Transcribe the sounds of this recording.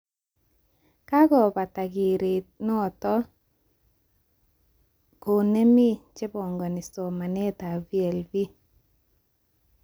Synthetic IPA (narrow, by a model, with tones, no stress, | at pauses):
ka˦ɡɔ˨pa˨ta˨ɡɪ˨ɾe˨nɔ˦˨tɔ˦ | ko˨ne˦mi˦t͡ʃe˦bɔ˨ŋɡɔ˨nɪ˨sɔ˨ma˨ne˦ta˨vi˦e˨lvi˦